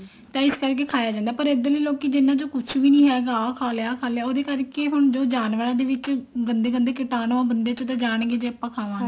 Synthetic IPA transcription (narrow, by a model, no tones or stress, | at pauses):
t̪ãːɪskəɾkeːkʰaːjaːd͡ʒãːnd̪aːpəɾeːd̪ələiːloːkiːd͡ʒɪnːãːd͡ʒoːkʊt͡ʃʰʋiːnĩːɦɛːɡaːkʰaːljaːkʰaːljaːoːd̪eːkəɾkeːɦʊɳd͡ʒoːd͡ʒaːnʋəɾãːd̪eːʋɪt͡ʃɡənd̪eːɡənd̪eːkɪt̪aːnoãːbənd̪eːt͡ʃõt̪ãːd͡ʒaːɽ̃ɡeːd͡ʒeːəpːãːkʰaːʋãː